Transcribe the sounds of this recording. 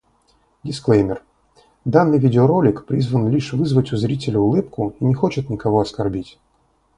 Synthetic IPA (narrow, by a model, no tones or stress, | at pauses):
dʲɪsklˠejmʲɪr | d̪anːɨjvʲidʲɪoɾo̞lʲɪkpɾʲizvənlʲiʂvɨzvətʲʊzɾʲitʲɪlʲʊʊlˠɨpkʊinʲɪxo̞t͡ɕɪt̪nʲɪkɐvoɐskɐrbʲitʲ